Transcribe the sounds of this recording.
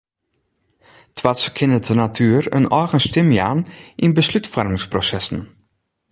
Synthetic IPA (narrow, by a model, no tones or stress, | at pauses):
tʰʋaskʰɪnətʰənatʰyːərə̰nɔɹɣənstɪmjaːnʔinbəslytfɔrmɪŋsprosɛsn̩